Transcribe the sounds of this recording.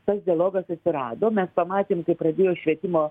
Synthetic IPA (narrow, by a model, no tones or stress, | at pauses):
t̪ɐsd̪ʲɪɐlˠoːɡɐsɐt̪ʲsʲɪɾɑːd̪oːmʲɛspɐmɑːt̪ʲeːmkɐɪpɾɐd̪ʲeːjoːʃʲʋʲiɛt̪ʲɪmoː